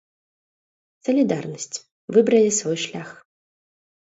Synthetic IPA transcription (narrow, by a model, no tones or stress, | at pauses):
sɐlʲid̪arnɐsʲt͡sʲ | vɨbɾɐlʲisvɔjʂlʲax